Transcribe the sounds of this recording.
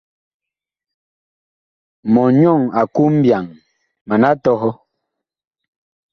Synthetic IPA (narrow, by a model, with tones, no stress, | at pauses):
mɔ˨ɲɔ˦˨ŋa˨ku˦m̩˦bja˨ŋ | ma˨na˦tɔ˦ɦɔ˦